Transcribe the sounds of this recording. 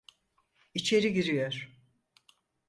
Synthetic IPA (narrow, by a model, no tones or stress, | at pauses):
it͡ʃʰe̞ɾiɟiɾijoɾ̥